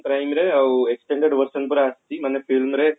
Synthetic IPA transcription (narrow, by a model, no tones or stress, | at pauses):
kɾɐjmiɾeɐeksʈeɳɖeɖʋɐrsɐnpoɾaːst̪imɐnːefilmɾe